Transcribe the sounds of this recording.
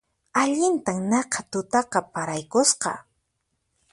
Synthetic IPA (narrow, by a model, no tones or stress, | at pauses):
aʎɪnt̪aŋnɑqɑt̪ʊt̪ɑqɑpaɾajkʊsqɑ̰